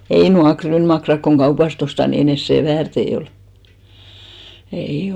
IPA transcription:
ei nuɑk kryːnmɑkrɑk koŋ ɡ̊ɑupɑst ostɑ ni ei ne seˑ ʋæːrtei ol ei

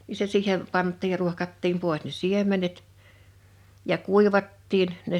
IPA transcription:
ni se siːhem̥ pɑntˑiːj jɑ ruohkɑtːiːm poˑes ne siemˑenet jɑ kuˑiʋɑtːiːn ne

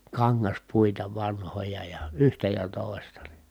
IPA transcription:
kɑŋːɑspuitɑ ʋɑnhojɑ jɑ yhtæ jɑ toˑi̯stɑ

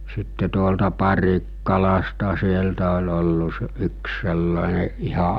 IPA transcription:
sitːe tuoltɑ pɑrikːɑlɑstɑ sieltæ olʲ olːu se yks selːɑˑene ihɑ

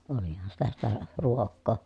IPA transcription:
olihɑn sitæ sitæ ruokːoː

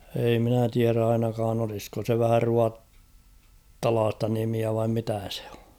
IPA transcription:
ei minæ tiær ɑinɑkɑːn olisko se ʋæhæ ruɑtːɑlɑːstɑ nimiæ ʋɑim mitæ se̥ o̥

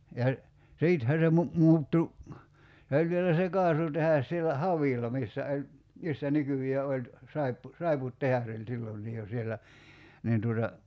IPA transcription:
jɑ siːthæ se mu mu̞utːu se olʲ ʋielæ se kɑːsutehɑs sielæ hɑʋiˑlˑɑ misːæ olʲ misːæ nykyjˑeː olʲ sɑipːu sɑiputːehɑs olʲ silːonːiː jo sielːæ niːn tuotɑ

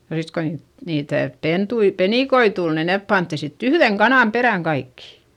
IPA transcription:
jɑ sit ko niːt niːtæˑ pentui peniˑkoi tul ni nep pɑntːi sitː yhðeŋ kɑnɑˑm peræˑŋ kɑikːi̥

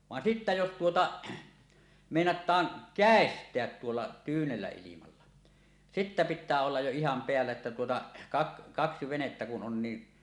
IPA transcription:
ʋɑn sitːæ jos tuotɑ meˑinɑtˑɑːn kæˑestˑeæt tuolːɑ tyːnelːæ ilimɑlːɑ sitːæ pitːæː olːɑj jo ihɑm peælːæ etːæ tuotɑ kɑk kɑksi ʋenetːæ kun on ni

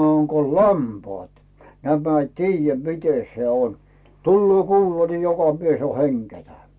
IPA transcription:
oŋ ko lɑmpɑːt næmæ i tiːjːæ mite se on tulːoː kuːlɑ ni jokɑ mies o heŋɡ̊etæ

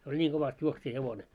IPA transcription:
se olʲ nʲiːŋ ɡ̊oʋɑst juoksijɑheʋone

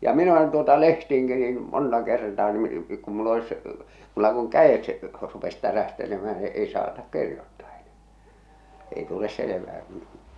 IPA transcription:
jɑ min olen tuotɑ lehtiːŋki niːn montɑ kertɑː ni ku mulː olis mulːɑ kuŋ kæet rupes tæræhtelemæh̞æ n̆ĭ ei sɑːtɑk kirjotːɑː e̥n̥æ̥ː ei tules seleʋæː ku̥n̥

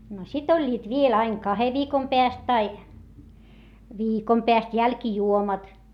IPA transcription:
no sit olʲːiːt ʋiel ɑiŋ kɑhe ʋiːkom peæst tɑi ʋiːkom peæst jælkijuomɑt

